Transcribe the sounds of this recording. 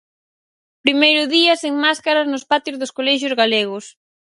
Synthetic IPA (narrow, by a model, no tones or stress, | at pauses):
pɾimejɾʊðiɐseŋmaskaɾaznʊspat̪jozðoskolɛʃ̬ʊzɣaleɣ̞ʊs